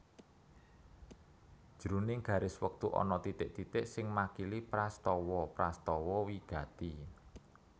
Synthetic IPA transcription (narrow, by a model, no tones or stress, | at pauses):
d̥ʒ̥ɾunɪŋɡ̥ä̤ɾɪswək̚t̪uʔɔ̰nɔt̪it̪ɪʔt̪it̪ɪʔsɪŋmakilipɾast̪ɔwɔpɾast̪ɔwɔwiɡ̥a̤t̪i